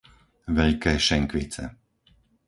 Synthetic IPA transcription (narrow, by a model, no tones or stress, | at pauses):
ʋɛʎkɛːʃɛŋkʋit͡sɛ̰